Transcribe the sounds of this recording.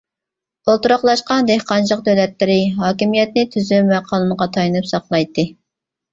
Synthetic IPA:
olˠt̪uɾɑqlˠɑʃqɑnd̪ehqɑnt͡ʃəq̚d̪øwlɛt̪lɪɾɪɦɑːkʲimijɛt̪̚nɪt̪ʰyzymæqʰɑːlˠɨməʁɑt̪ʰɑjnɨpsɑqlˠɑjt̪ːɨ

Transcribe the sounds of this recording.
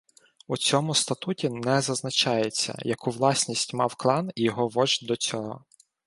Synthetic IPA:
ut͡sʲɔmʊst̪ɐt̪utʲinɛzɐznɐt͡ʃɑjet͡sʲːɐ̰jɐkuʋlˠɑsʲnʲisʲtʲmɑwklˠɑnijɔɦɔʋɔʒd̪ɔt͡sʲɔɦɔ̰

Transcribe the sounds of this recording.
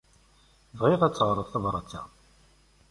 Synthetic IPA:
vʁiʁæt͡sːʁɾˤəðˤθɑðˤɾˤɑt͡sːæ̰

